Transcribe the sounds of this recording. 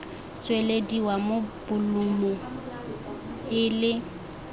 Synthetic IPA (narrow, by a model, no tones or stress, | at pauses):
t͡sʼwelediwamobʊlumɔ | ɪlɪ